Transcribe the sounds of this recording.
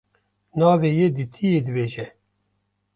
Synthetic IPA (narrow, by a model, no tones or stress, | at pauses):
nɑːveːjeːd̪it̪ʰijeːd̪ɨbeːʒɛ